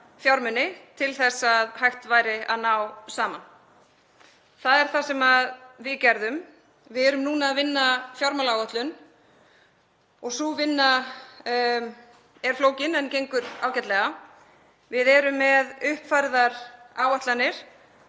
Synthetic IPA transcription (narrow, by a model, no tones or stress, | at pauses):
fjawɾmʏnːɪt̪ʰɪlθɛsaðhajht̪vaːjɾɪaðnaːwsaːman | θaðɛɾ̥θasɛmaðvɪðcɛɾðʏm | vɪðɛɾʏmnuːnaːðvɪnːafjawɾmalaːwaht̪lʏn | ɔɣsuvɪnːa | ɛɾ̥floːwcɪnɛncejŋkʏɾaːwcɛt̪lɛɣa | vɪðɛɾʏmːɛðʏhpfajɾðaɾaːwaht̪lanːɪɾ̥